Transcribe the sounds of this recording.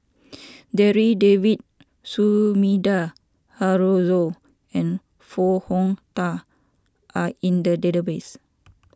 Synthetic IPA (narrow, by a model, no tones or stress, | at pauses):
dɛɹidevit̚ | sumida | haɹozo | ɛ̃n | fɔhɔ̃ŋt̪a | ʔaĩndədedəbes